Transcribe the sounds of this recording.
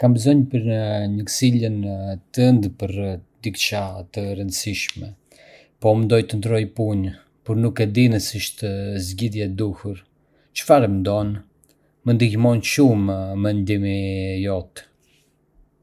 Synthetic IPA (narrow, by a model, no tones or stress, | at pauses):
kambəzɔɲpəɾnəɲəksilənt̪ənd̪pəɾd̪ikt͡ʃat̪əɾənd̪əsiʃmɛ | pɔmnd̪ɔjt̪ənd̪ɾɔjpuɲ | puɾnukɛd̪inəsiʃt̪əzɟiðjɛd̪uhuɾ | t͡ʃə̥faɾɛmnd̪ɔn | mənd̪ihmɔnʃumːɛnd̪imijɔt̪